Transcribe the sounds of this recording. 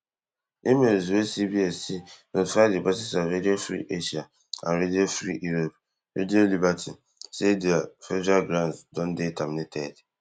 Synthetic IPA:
imezuwesibiesinofadɪbasɪsaɾediefɾḭʔeʃia | a̰ɾedefɾḭʔiɾop̚ | ḛdiolibatʰi | sediafed͡ʒaɡɾansdɔn̩detamnɪtʰed

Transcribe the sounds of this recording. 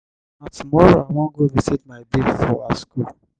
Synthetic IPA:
atʰumɔɹoawɔ̃nɡoɹisit̚maɪbiɡfɔasku

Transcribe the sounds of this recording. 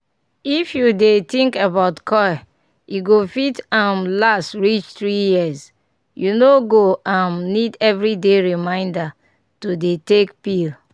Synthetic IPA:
ifjudetĩŋkabaʊtkʰɔj | iɡofitãmlastɹit͡ʃtɹijiəz | junoɡoãmnidɛvɹideɹimãɪ̃nda | tudetekpil

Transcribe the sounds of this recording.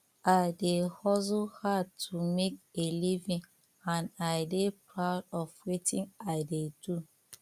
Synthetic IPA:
aɪdehɔzuhatʰumekelivĩn | ãnaɪdepɹaʊdɔfwitĩnaɪdedu

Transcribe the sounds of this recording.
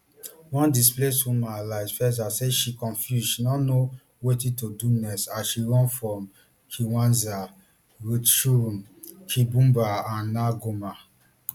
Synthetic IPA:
wɔ̃ndispleshũmãlaɪzfɛsz̬aseʃikɔ̃nfjusʃinɔno | wetĩtodunɛsaʃiɹɔ̃nfɹɔ̃m | kʰiwãnza | ɹoʃum | kʰibũmbaãnːaɡoma

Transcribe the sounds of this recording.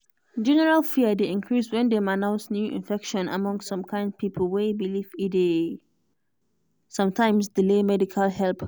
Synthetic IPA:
d͡ʒɛnɛɹalfiədeĩnkʰɹiswɛ̃ndɛmanãʊ̃nsnjuʔḭ̃nfɛkʃɔ̃na̰mɔ̃ŋssɔ̃mkʰãɪ̃nd̚pʰipʰəlwebilivide | sɔ̃mtʰãɪ̃msdilemɛdikʰalɦɛlp

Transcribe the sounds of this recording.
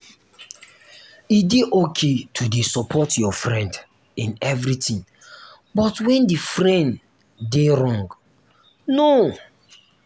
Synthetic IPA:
ideʔokʰetʰudesɔpʰɔtjɔfɹɛ̃nd | ĩnɛvɹitĩŋ | bɔtwɛ̃ndifɹɛ̃nd | deɹɔ̃ŋɡ | no

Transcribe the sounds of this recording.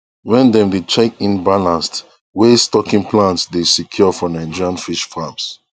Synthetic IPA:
wɛ̃ndɛ̃mdet͡ʃɛkĩnbalãnst | westɔkĩŋplãntsdesikʰjɔfɔnaɪ̃d͡ʒiɹãnfiʃfams

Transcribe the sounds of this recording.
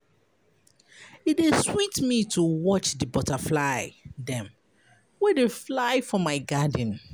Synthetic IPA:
itdeswitmitʰuwɔt͡ʃdɨbɔtaflaɪdɛ̃m | wɛdeflaɪfɹɔ̃mːaɪɡad̃n̩

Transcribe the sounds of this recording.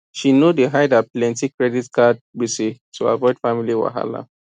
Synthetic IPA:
ʃinodeɦaɪdaplɛ̃ntikɹɛditkad̚bisitʰua̰vɔɪdfamiliwa̰ɦa̰la̰

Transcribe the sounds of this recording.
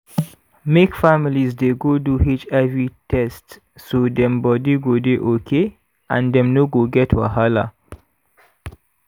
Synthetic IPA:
mekfamilizdeɡoduɦit͡ʃɛvɹitʰɛst | sodɛ̃mbɔdiɡodeʔokʰe | ʔãndɛ̃mnoɡoɡɛtʰwa̰ɦala̰

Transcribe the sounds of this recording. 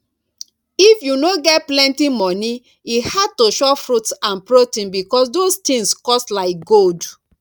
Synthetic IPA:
ifjunoɡɛt̚plɛ̃ntimɔni | ihad̚toʃɔfɹutsãnpɹotĩnbikɔsdostĩŋskɔstlaɪk̚ɡold

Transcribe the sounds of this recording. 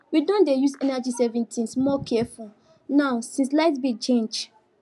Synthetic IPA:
widɔ̃ndejuzɛnad͡ʒisɛvɛ̃ntʰĩnsmɔkʰɛful | naʊsĩnslaɪtbit͡ʃẽnd͡ʒ

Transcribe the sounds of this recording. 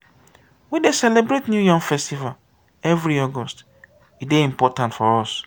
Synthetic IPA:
widesɛlebɾetnjujɔ̃ŋfɛstival | ɛvɾiɔɡɔst | ideĩmpɔtãntfɔɔs

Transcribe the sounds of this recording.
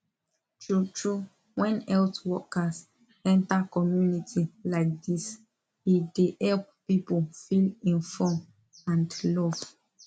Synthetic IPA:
tʰɹutʰɹu | wɛ̃nɛltwɔkas | ɛ̃ntakɔmjunitʰilaɪk̚dis | idehɛlp̚pipolfilĩnfɔm | ãndlɔv̥

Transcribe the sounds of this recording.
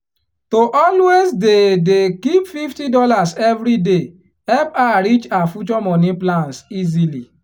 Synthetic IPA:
toʔɔlwezdedekipfiftidɔlasɛvɾide | ɛpaɾit͡ʃafut͡ʃɔmɔniplãnsizili

